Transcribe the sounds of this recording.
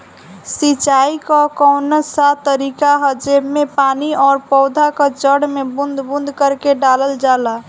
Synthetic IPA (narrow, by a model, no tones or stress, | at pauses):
sit͡ʃaikɔkɔwnəsat̪ːəɾikaɦəd͡ʒebmepaniɔːɾpɔwd̪ʱakəd͡ʒəɽmebund̪ʱbund̪ʱkəɾkeɖaləld͡ʒala